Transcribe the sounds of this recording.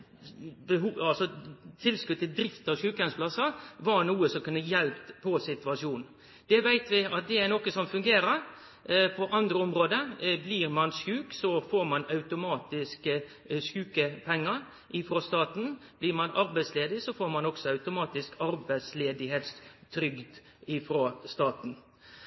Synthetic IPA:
bəɦuːɑlsɔt̪ʰɪlskʉd̪̚t̪ɪld̪ɾɪft̪ɑʋʃʉːkɛnspʰlɑsəʋɑɾnuːəsɔmkʉnːəjɛlpt̪pʰːɔsɪt̪ʉɑʂuːn | d̪̥ɛʋæɪt̪ʋɪɑt̪̚d̪ɛæɾnoːkəsɔmfʉŋɡeːɾəɾ | pʰɔʔɑnd̪ɾəɔmɾoːd̪əbliːɾmɑnskʉːksɔfoːɾmɑnɑʉt̪ʊmɑːt̪ɪskə | skʉːkəpʰɛŋːəɾ | ʔɪfɾoːst̪ɑːt̪n̩b̥lɪɾmɑnɑɾbæɪsleːd̪ɪsɔfoːɾmɑnɔksɔɑʉt̪ʊmɑːt̪ɪskʰɑɾbæɪsleːd̪ɪɦeːt̪st̪ʰɾʏɡd̪ | ɪfɾoːst̪ɑːt̪n̩

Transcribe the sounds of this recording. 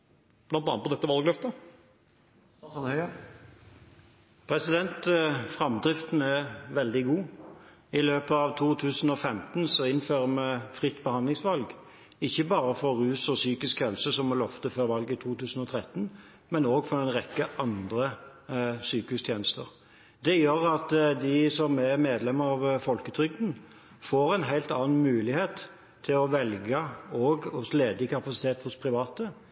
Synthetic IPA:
blɑnt̪ɑnpɔd̪ɛt̪ːəʋɑlɡlœft̪ə | hœ | pʰʁɛsɪd̪ɛnt̪fʁɑmd̪ʁɪft̪n̩ɛʋɛld̪ɪɡuː | ɪløːpəɑʋt̪ʰuːt̪ʰʉːsnɔfɛmt̪nsɔɪnːføːʁəmɛfʁɪt̪ːbəhɑnd̪lɪŋsʋɑlɡ | ɪçːəbɑːɾəfɔʁʉːsɔsyːkɪskhɛlsəsɔmɔlɔft̪əføɾʋɑlɡɪt̪ʰuːt̪ʰʉːsn̩ɔt̪ʰʁɛt̪ːn | mɛnoːɡfɔɾɛɪnɾɛkːəʔɑnd̪ʁə | syːkəʉst̪ʰjeːnəst̪ə̰ʁ | d̪ɛjøːɾɑt̪d̪ɪsɔmæʁmeːd̪lɛməɑʋfɔlkət̪ʰɾʏɡ̚d̪n̩ | foːɾæɪnɦæɪlt̪ɑːn̩mʉːlɪheːt̪ʰː | ɪlɔʋɛlɡəɔːɡʊsleːd̪ɪkʰɑpɑsɪt̪ʰeːt̪hʊspʰɾɪʋɑːt̪ə

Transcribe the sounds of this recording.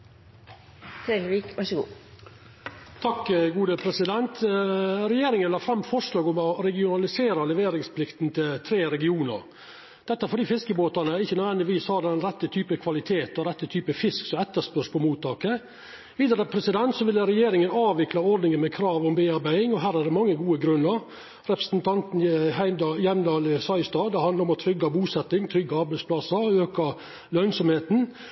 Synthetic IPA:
fɾelʋiːkʋɑʂɡṵː | t̪ʰɑkːɡuːd̪əpʰɾɛsɪd̪ɛnt̪ʰɾɛjeːɾɪŋənlɑːfɾɑmːfɔʂlɑːɡɔmɔɾɛɡɪʊnɑlɪseːɾɑlɛʋeːɾɪŋspʰlɪkt̪nt̪ʰɪlt̪ʰɾeːɾɛɡɪuːnə̰ɾ | d̪̥ɛt̪ːəfɔɖiːfɪskəboːt̪ɑnəɪçːənœd̪ʋɛnd̪ɪʋiːshɑd̪ɛnɾɛt̪ːət̪ʰyːpəkʰʋɑlɪt̪ʰeːt̪ɔɾɛt̪ːət̪ʰyːpəfɪsksɔmɛt̪ːəʂpœʂpʰɔmuːt̪ʰːɑːkə | ʋiːd̪əɾəpʰɾɛsɪd̪ɛnt̪sɔʋɪlːəɾɛjeːɾɪŋənɑːʋɪklɑɔɾd̪nɪŋəmɛkʰɾɑːʋɔmbeːɑɾbæɪɪŋɔɦæːɾæɖɛmɑŋːəɡuːəɡɾʉnːəɾ | ɾɛpɾə̥snt̪ʰɑnt̪n̩ɦæɪd̪jɛmd̪ɑːlsɑɪst̪ɑːd̪ɛhɑnd̪ɑɾɔmɔt̪ʰɾʏɡːɑbuːsɛt̪ːɪŋt̪ʰɾʏɡːɑɑɾbæɪspʰlɑsəøːkɑ | lœnsɔmheːt̪n̩

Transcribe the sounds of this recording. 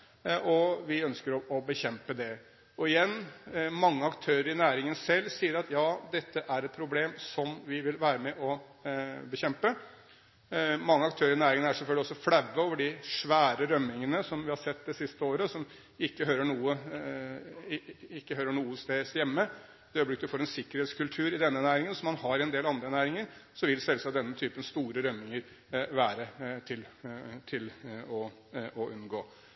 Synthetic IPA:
ɔʋɪœnskəɾɔɔbəçɛmpəd̪ɛ | ɔɪjɛnːmɑŋːəɑkt̪ʰøːɾəɾɪnæːɾɪŋənsɛlːsiːəɾɑt̪jɑːd̪ɛt̪ʰːəʔæɾɛt̪̚pʰɾʊbleːmsɔmʋɪʋɪlʋæːɾəmɛʔɔ | bəçɛmpə | mɑŋːəɑkt̪ʰøːɾɪnæːɾɪŋənæʂɛlfœlɡlɪɔsːɔfɽæʋːəoːʋəɖɪʂʋæːɾəɾœmːɪŋənəsɔmʋɪhɑɾsɛt̪ːd̪ɛsɪst̪əoːɾəsɔm | ɪkːəɦøːɾəɳuːə | ɪkːəɦøːɾəɳuːəst̪eːsjɛmːə | d̪ɛøːblɪkt̪d̪ʉfoːɾɛnsɪkːəɾeːt̪skʰʉlt̪ʰʉːɾɪd̪ɛnːənæːɾɪŋənsɔmːɑnhɑɾɪɛnd̪eːlɑnd̪ɾənæːɾɪŋəɾsɔʋɪlsɛlsɑd̪ɛnːət̪ʰyːpənst̪uːɾəɾœmːɪŋəɾ | ʋæːɾət̪ʰɪlt̪ʰɪlɔ | ɔʔʉnɡoː

